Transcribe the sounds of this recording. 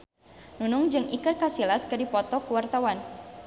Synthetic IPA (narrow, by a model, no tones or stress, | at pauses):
nunʊŋd͡ʒɨŋikərkasilaskədipɔt̪ɔkuwart̪awan